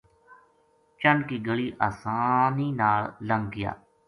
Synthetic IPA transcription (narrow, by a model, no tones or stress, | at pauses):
t͡ʃəɳɖkiːɡəɭiːʔaːsaːniːnaːlləŋɡɡɪja̰ː